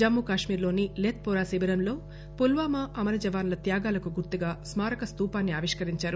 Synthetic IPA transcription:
d͡ʒɐmːukaːʂmiːɾlo̞ːnileːt̪̚pɔːɾaːsibɐɾɐmlo̞ː | pulʋaːmɐʔɐmɐlɐd͡ʒɐʋaːnlɐt̪jaːɡaːlɐkuɡuɾt̪uɡaːsmaːɾɐkɐst̪uːpaːnːiaːʋiʂkɐɾiɲt͡ʃaːɾu

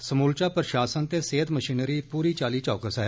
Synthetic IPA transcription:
səmuːlt͡ʃaːpɾəʃaːsənt̪eːseːt̪məʃiːnɾiːpuːɾiːt͡ʃaːliːt͡ʃɔːkəsɛ

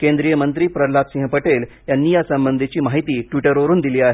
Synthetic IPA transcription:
kẽnd̪ɾijəmənt̪ɾiːpɾəlat̪sĩɦpəʈel | janːijasəmbənd̪ʱet͡ɕiːmaɦit̪iːʈʋiʈəɾoɾuːnd̪iliːaɦe

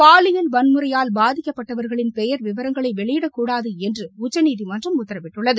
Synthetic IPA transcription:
paːɭɪjɐlʋɐnmɯrɐjaːlbaːðɪkːɐpːɐʈːɐʋɐɾɣɐɭɪnpɛjɐɾʋɪʋɐɾɐŋɡɐɭɐɪʋɛɭɪjɪɽɐkːuːɽaːðɯɛndrɯʊt͡ʃːɐniːðimɐndrɐmʊt̪ːɐɾɐmɪʈːɯɭːɐðɯ

